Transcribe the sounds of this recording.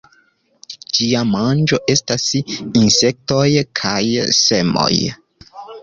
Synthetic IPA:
d͡ʒiamand͡ʒo̞ʔe̞stasinse̞k̚to̞jkʰajse̞mo̞̰j

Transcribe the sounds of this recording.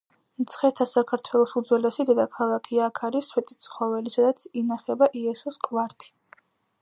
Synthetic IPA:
mt̪sʰχɛt̪ʰasakʰaɾt̪ʰwɛlˠɔsud̪zwɛlɛsid̪ɛd̪akʰalˠakʰiakʰaɾiswɛt̪ʼi̥t̪sʰχɔvɛlisad̪at̪sʰinaχɛbaʔiɛsɔskʼvaɾt̪ʰi̥

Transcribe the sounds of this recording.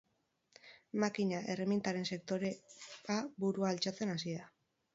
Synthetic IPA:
makiɲaʔe̞remint̪aɾe̞nse̞kt̪o̞ɾeaβuɾuaːlt͡ʃat͡se̞nas̬ia

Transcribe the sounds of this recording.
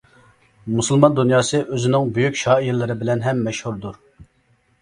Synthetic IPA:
musɨlˠmɑnd̪unjɑːsɨʔøzɪnɪŋbyjykʲʃɑːijɪlˠɪɾɪbɪlɛnɦɛmːɛʃhuɾd̪uɾ

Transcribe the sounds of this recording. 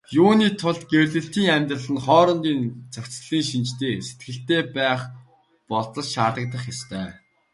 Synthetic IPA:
juːniːt̪ʰʊɮt̪ɡewɮɘ̆ɬt̪iːŋæmʲt̪rə̆ɮə̆nχɔːɾɞ̆nt̪iːnt͡sʰawkʲt͡sɮiːŋʃint͡ɕt̪ʰeːse̥t̪̚ɡɘ̆ɬt̪eːpæːχ | pɔɮt͡sə̆sʃaːt̪ə̆k̚t̪ə̆χjast̪ʰœː

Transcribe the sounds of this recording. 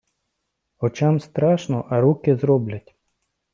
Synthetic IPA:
ɔt͡ʃamst̪ɾɑʃnɔʔɐɾukɪzɾɔblʲɐtʲ

